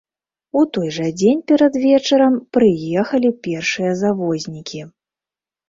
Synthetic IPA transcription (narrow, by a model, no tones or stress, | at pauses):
ut̪ɔjʐɐd͡zʲenʲpʲɛɾɐd̪vʲɛt͡ʂɐɾɐmpɾɨjɛxɐlʲipʲɛrʂɨjɐzavɔzʲnʲikʲi